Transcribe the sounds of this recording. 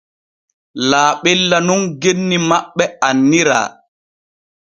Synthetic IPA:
laːɓɛlːanunɡenːimaɓːɛanːiɾa̰ː

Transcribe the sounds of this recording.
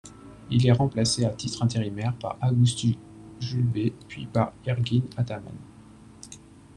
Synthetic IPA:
ilɛʁɑ̃plaseat̪it̪χɛ̃t̪eʁimɛʁpa̰ʁaɡust̪y | ʒylbepɥipaʁɛʁɡʲinat̪ama̰n

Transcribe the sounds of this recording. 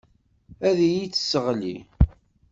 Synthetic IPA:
æðijit͡sːə̥sːəʁlḭ

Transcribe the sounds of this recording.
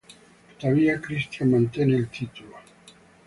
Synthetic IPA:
t̪o̥ðaβiakɾist̪jamãnt̪jeneːlt̪it̪ulo

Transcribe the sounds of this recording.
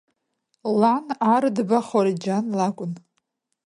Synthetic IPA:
lanardbaχoɾid͡ʒanlakʷʼʊn

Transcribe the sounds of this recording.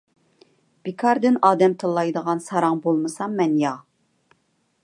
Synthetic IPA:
b̥ikʰɑɾd̪ɪnɑːd̪ɛmt̪ʰɨlˠːɑjd̪əʁɑnsɑɾɑŋbolˠmɨsɑmːɛnjɑ

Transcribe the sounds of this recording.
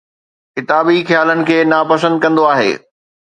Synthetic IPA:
kɪt̪aːbixjaːlənɪ̆kʰeːnaːpɐsə̃nd̪̚kɐ̃nd̪oaːɦḛː

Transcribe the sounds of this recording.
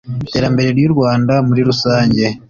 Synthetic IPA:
te̞ːɾambe̞ɾe̞ɾjuɾɡwaːndamuɾiɾusaːɲɟe̞

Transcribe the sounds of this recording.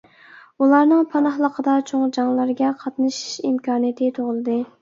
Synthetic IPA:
ulˠɑɾnɨŋpʰɑnɑχlˠəqʰəd̪ɑt͡ʃʰoŋd͡ʒɑŋlˠɑɾɡʲɛqʰɑt̪nɨʃi̥ʃimkʰɑːnijɛt̪ʰɪt̪ʰoʁəlˠɨd̪ɨ

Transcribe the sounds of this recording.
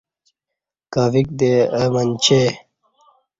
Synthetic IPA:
kaːvik̚d̪eəmənt͡ɕʰe

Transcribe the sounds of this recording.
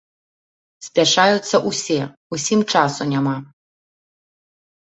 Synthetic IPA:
spʲaʂajut̪sːɐʔusʲe | usʲimt͡ʂasunʲama

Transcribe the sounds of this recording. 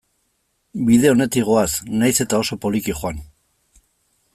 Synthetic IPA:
biðe̞o̞ne̞t̪iɣo̞asnajse̞t̪ao̞so̞po̞likiχoan

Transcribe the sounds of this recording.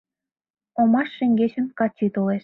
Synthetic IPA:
omɑʃːĕŋɡet͡ɕə̆nkɑt͡ɕːit̪oleʃ

